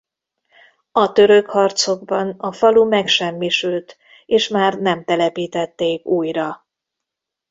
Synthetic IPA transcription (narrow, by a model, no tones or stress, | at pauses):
ɒt̪ø̞ɾø̞khɒrt̪so̞ɡ̚bɒnɒfɒlumɛkʃɛmːiʃylt̪ | eːʃmaːrnɛmt̪ɛlɛpiːt̪ɛt̪ːeːkuːjrɒ